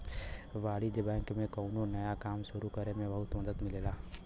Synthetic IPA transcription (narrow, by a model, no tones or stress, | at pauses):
ʋaːɽid͡ʒɪbɛ̃ːŋkmẽkɐːnõnɐjakaːmʃʊɾukɐɾemẽbɐɦʊt̪mɐd̪əd̪mɪleːlaː